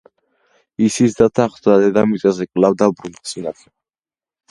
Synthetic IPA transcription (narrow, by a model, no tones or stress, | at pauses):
isisd̪at̪ʰaχd̪vad̪ɛd̪amiazɛkʼlavd̪abɾund̪t̪sʼinat̪ʰɛ